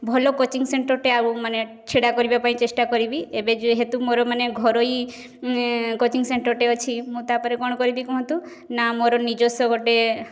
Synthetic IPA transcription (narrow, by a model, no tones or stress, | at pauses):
bʱɔlokot͡ʃiŋseɳʈɔɾʈeaɾumane | t͡ʃʰeɽakɔɾibapaĩt͡ʃesʈakɔɾibiebed͡ʒuɦet̪umoɾɔmaneɡʱɔɾoi | kot͡ʃiŋseɳʈɔɾʈeɔt͡ʃʰimũt̪apɔɾekɔɽ̃ɔkɔɾibikũɦɔ̃nt̪u | namoɾɔnid͡ʒɔsɔɡoʈe